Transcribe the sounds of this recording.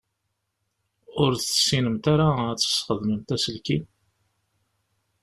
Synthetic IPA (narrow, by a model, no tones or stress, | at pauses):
ʊɾθəsːinəmt̪aɾaæt͡sːə̥sχəðməmt̪æsəlkin